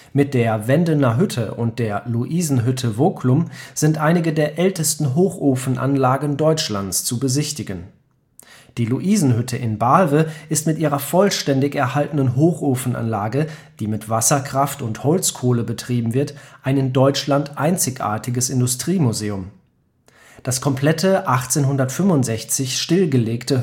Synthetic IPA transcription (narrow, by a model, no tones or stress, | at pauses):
mɪt̚d̥eːɐvɛndənɐɦʏtʰəʔʊnt̚d̥eːɐluʔiːzn̩ɦʏtʰəvoːkʰlʊmz̥ɪntʔaɪnɪɡədeːɐʔɛltəstn̩ɦoːxʔoːfn̩ʔa̰nlaːɡən̩dɔʏt͡ʃlant͡st͡subəzɪçtɪɡən | d̥iːluʔiːzn̩ɦʏtʰəʔɪnbalvəʔɪstmɪtʔiːʁɐfɔlʃtɛndɪçɛɐhaltənənɦoːxʔoːfn̩ʔa̰nlaːɡəd̥iːmɪtv̥asɐkʁ̥aftʊnthɔlt͡skʰoːləbətʁ̥iːbm̩vɪɐtʔaɪnɪndɔʏt͡ʃlantʔaɪnt͡sɪçʔa̰ːɐtʰɪɡəsɪndʊstʁ̥iːmuzeːʊm | d̥askʰɔmpʰl̥ɛtʰəʔaχt͡seːnɦʊndɐtfʏmvʊntz̥ɛçt͡sɪçʃtɪlɡəleːktə